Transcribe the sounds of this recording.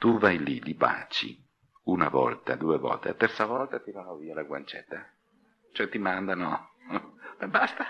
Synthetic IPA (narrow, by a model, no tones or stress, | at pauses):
t̪uvajliliba̰ːt͡ʃḭ | unavɔ̰lt̪ad̪uːevɔ̰lt̪ḛat̪ɛrt̪savɔlt̪at̪iɾaɾɔviːalaɡwa̰nt͡ʃɛt̪ːa | t͡ʃoɛt̪ːimand̪ano | bɛbast̪a